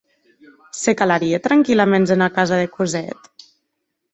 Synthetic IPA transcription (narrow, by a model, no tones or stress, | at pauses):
sekalaɾiet̪ɾaŋkilamenzenakazaðekuzɛt̪